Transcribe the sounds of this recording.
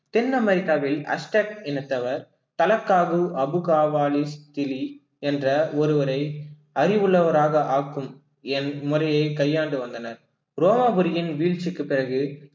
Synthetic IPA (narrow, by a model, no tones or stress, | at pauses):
t̪ɪnːɐmɐɾɪkːaːʋɪlɐ̰sʈɐkɪnɯt̪ːɐʋɐɾ | t̪ɐlɐkːaːɣɯʔɐbɯɣaːʋaːlist̪ɪli | ɛndrɐɔɾɯʋɐɾɐɪ | ɐɾɪʋɯɭːɐʋɐɾaːɣɐʔaːkːɯm | ɛnmʊrɐjɐɪkɐjːaːɳɖɯʋɐnd̪ɐnɐɾ | ɾoːmaːbɯɾɪjɪnʋiːɭt͡ʃɪkːɯpːɪrɐɣɯ